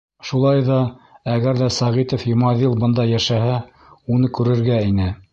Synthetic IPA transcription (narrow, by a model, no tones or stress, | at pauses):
ʃulˠɑjðɑæɣæɾðæsɑʁit̪ŏfjŏmɑðilˠbɤ̆nd̪ɑjæʃæhæ | unɤkʉɾɘ̆ɾɡæinɘ